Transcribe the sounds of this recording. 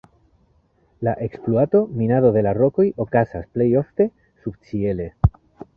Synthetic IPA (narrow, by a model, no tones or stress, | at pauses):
laʔe̞ksploato̞minaðo̞ðe̞laɾo̞kojo̞kasasple̞jo̞fte̞ | subt͡sie̞le̞